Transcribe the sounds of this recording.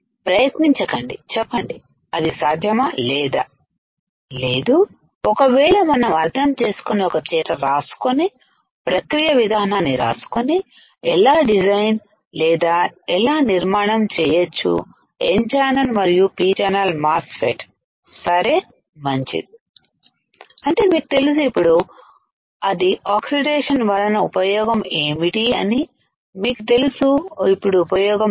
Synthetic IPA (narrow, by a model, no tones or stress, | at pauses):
pɾɐjɐt̪niɲt͡ʃɐkɐɳɖit͡ʃɛpːɐɳɖi | ɐd̪isaːd̪ʱjɐmɐlɛːd̪a | le̞ːd̪u | ɔkɐʋɛːɭɐmɐnɐmɐɾt̪ʰɐmt͡ʃe̞ːsu̥koniɔkɐt͡ʃɛːʈɐɾaːsu̥koni | pɾɐkɾijɐʋid̪ʱaːnaːnːiɾa̰ːsu̥koni | ɛlaːɖid͡ʒɐjn | lɛːd̪aːɛlaːniɾmaːɳɐmt͡ʃɛːjɐt͡ʃːṵ | ḛnt͡ʃaːnɐnmɐɾijupiːt͡ʃanɐlmaːsfeʈ | sɐɾe̞ː | mɐɲt͡ʃḭd̪i | ɐɳʈe̞ːmiːkut̪e̞lusuipːuɽu | ɐd̪iaːksiɖeːʂɐnʋɐlɐnɐupɐjɔːɡɐmeːmiʈiɐ̰ni | miːkut̪e̞lusuipːuɽuːpɐjɔːɡɐm